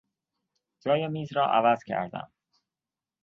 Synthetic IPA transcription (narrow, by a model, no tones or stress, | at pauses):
d͡ʒɒːjemiːzɾɒːʔæ̰væz̥cʰæ̰ɾd̪æ̰m